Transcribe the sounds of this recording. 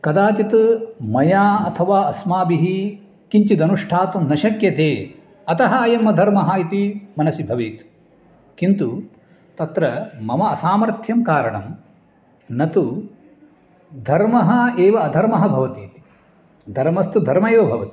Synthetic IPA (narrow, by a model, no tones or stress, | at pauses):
kɐd̪aːt̪it̪mɐjaːɐt̪ʰɐʋaːɐsmaːbiɦi | kiɲt͡ʃid̪ɐnuʂʈʰaːt̪umnɐʃɐkjɐt̪eː | ɐt̪ɐɦɐɐjɐmːɐd̪ʱɐɾmɐɦɐit̪imɐnɐsibʱɐʋit̪ | kint̪u | t̪ɐt̪ɾɐmɐmɐːsaːmɐɾt̪ʰjɐmkaːɾɐɳɐm | nɐt̪u | d̪ʱɐɾmɐɦɐeːʋɐːd̪ʱɐɾmɐɦɐbʱɐʋɐt̪iːt̪i̥ | d̪ʱɐɾmɐst̪ud̪ʱɐɾmɐeːʋɐbʱɐʋɐt̪i̥